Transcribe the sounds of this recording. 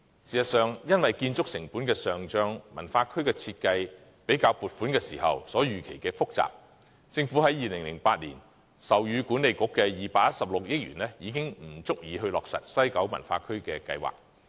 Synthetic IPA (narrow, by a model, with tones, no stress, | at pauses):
siː˨˩sɐ˨t̚sœː˨ŋjɐ˥nwɐ˨jkiː˧nt͡sʊ˥k̚sɪ˨˩ŋpuː˨˥nkɛː˧sœː˨˩ŋt͡ʃœː˧ŋmɐ̰˨˩nfaː˧kʰɵ˥ɥkɛː˧t͡sʰi˧t̚kɐ˧j | pe˨˥jkaː˧wpuː˨t̚fuː˨˥nkɛː˧siː˨˩hɐ̰˨wsɔː˨˥jyː˨˩kʰe˨˩jkɛː˧fʊ˥k̚t͡sa̰ː˨p̚ | t͡sɪ˧ŋfu˨˥hɐ˨˥jiː˨lɪ˨˩ŋlɪ˨˩ŋpaː˧t̚liː˨˩n | sɐ˨wjyː˨˧kuː˨˥nːe˨jkʊ˨˥kːɛː˧jiː˨paː˧k̚ːɐ˥t̚sɐ˨p̚lʊ˨k̚jɪ˥k̚ɥy̰ː˨˩nlɛ˥jiː˨˧kɪ˥ŋm̩˨˩t͡sʊ˥k̚jiː˨˧ɦɵ˧lɔː˨k̚sɐ̰˨t̚sɐ˥jkɐ˨˥wmɐ̰˨˩nfaː˧kʰɵ˥ɥkɛː˧kɐ̰˧jwa̰ː˨k̚